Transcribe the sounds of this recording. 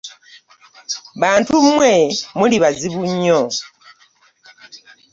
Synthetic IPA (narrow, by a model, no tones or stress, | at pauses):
βaːntumwe̞muliβaziβuɲːo